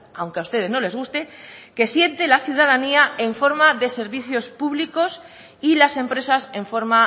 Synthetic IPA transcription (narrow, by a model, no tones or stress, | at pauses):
awŋkeaust̪e̞ð̞e̞zno̞le̞zɣust̪e̞ke̞sje̞nt̪e̞laθjuð̞að̞aniae̞ɱfo̞ɾmaðe̞se̞ɾβiθjo̞spuβliko̞s | ilasẽ̞mpɾe̞sase̞ɱfo̞ɾma